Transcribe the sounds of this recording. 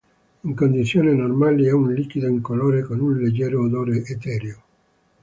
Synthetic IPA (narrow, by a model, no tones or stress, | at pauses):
iŋkond̪it̪sːjoːnenormaliɛunlikid̪oiŋkoloːɾekonunled͡ʒːɛːɾoːd̪oːɾeʔet̪ɛːɾeo